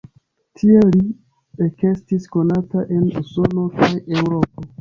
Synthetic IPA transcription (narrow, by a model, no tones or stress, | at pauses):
tʰieli | eke̞stisko̞nataʔe̞nuso̞no̞kʰaje̞wɾo̞po̞